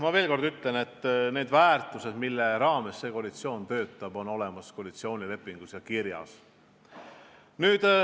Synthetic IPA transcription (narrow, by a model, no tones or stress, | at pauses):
mɑve̞ːlko̞rd̪yt̪le̞ne̞t̪ːne̞ːd̪væːrt̪ːˑuse̞d̪̥milːeɾɑːme̞sːe̞ːko̞ɑlit̪sio̞ːnt̪ø̞ːt̪ˑːɑb̥o̞no̞le̞mɑsko̞ɑlit̪sio̞ːnʲile̞pːˑiŋɡ̥usjɑkirjɑ̰s | nyːd̪̥